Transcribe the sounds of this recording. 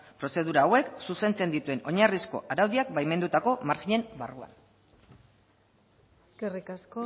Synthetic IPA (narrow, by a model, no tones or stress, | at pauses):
pɾo̞se̞ðuɾaːwe̞ksuse̞nt͡se̞nd̪it̪ue̞no̞ɲarisko̞̰ʔaɾawðiak̚bajme̞nd̪ut̪ako̞maɾxiɲe̞mbarua̰n | eskerikasko